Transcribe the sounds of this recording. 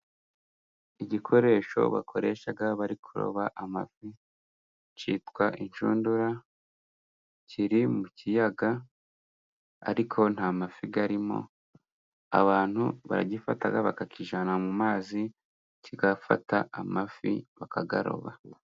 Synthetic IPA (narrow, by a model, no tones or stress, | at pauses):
iɟikʰo̞ɾe̞ːʃo̞̰βa̰kʰo̞ɾe̞ːʃaɡaβaɾikʰuɾo̞̰βaʔamafi | t͡ʃiːtkwaʔiɲʃuːnduɾa | cʰiɾimucijaɡa | a̰ɾikʰo̞n̥hamafiɡaɾimo̞̰ | a̰βaːn̥huβa̰ɾa̰ɟifataɡaβakakʰiʒanamumaːzi | ciɡafa̰taamafḭβakaɡa̰ɾo̞̰βa̰